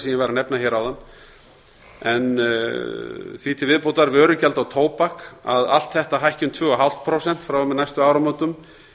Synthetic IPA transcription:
sɛmjɛvajɾanɛpnaçɛːɾawðanː | ɛn | θvit̪ʰɪlvɪðpowt̪aɾvœːɾʏcɛlt̪awt̪ʰoːwpaka̰ða̰l̥t̪θɛht̪aɦajhcʏnt̪ʰvʏːɣaɦawl̥t̪̚pʰɾowsɛn̥t̪fɾaw̪najst̪ʏaːwɾamont̪ʏm

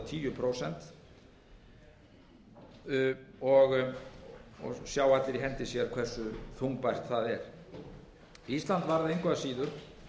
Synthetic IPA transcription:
t̪ʰiːjʏpʰɾowsɛnt̪ | ɔɣ | ɔ̰ɣsjaːwat̪lɪɾiɦɛnt̪ɪsjɛɾ̥kʰv̥ɛr̥sʏθuŋk̚pajr̥t̪θaðɛɾ̥ | ist̪lant̪vaɾðɪejŋkʰvaðasiːðʏɾ̥

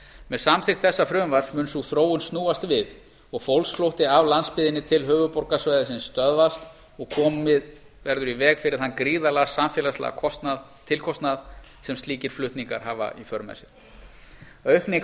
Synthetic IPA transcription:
mɛðsamθɪxt̪θɛsːafɾʏːʏmvasmʏːnsuθɾoːwʏnst̪nuːast̪vɪð | ɔɣfowlsflowht̪ɪavlanspɪðɪnːɪt̪ʰɪlɦœːvʏpɔɾkasvaːjðɪsɪnst̪œðvast̪ | ɔɣkʰɔːmɪð | vɛɾðʏɾivɛːɣfɪɾɪɾ̥hanːkɾiːðalaɣasamfjɛːlast̪la̰ɣa̰kʰɔst̪na | t̪ʰɪlkʰɔst̪naðsɛmst̪liːcɪɾ̥flʏht̪niŋka̰ɾ̥ɦaːva̰ifœɾma̰sɪn | œɥhknɪ

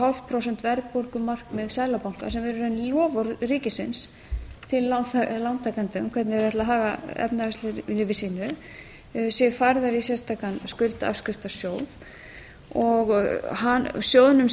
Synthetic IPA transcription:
alvpʰɾowsɛn̥t̪vɛɾk̚pɔɾkʏmar̥kmɪðsaːjlapawŋ̥ka̰sɛmɛɾʏɾɛnlɔːvɔɾriːcɪsɪns | t̪ʰɪlːanalant̪ʰːakant̪ʏmkʰvɛɾt̪nɪɾðɛht̪laɦaːɣaɛ̰pnaɛslɪlɪvɪsiːnʏ | sjɛfaɾðaɾisjɛst̪ʰaːkanskʏlt̪a̰fskɾɪft̪asjoːwð | ɔɣɦansjoːwðʏnʏm

